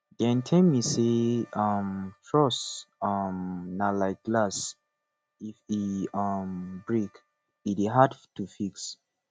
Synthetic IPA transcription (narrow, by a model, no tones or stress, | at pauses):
d̥ɛ̃ntʰɛ̃miseʌmtʰɹɔsʌmnalaɪk̚ɡ̥las | ifiʌmbɹik | itiɦadtufiks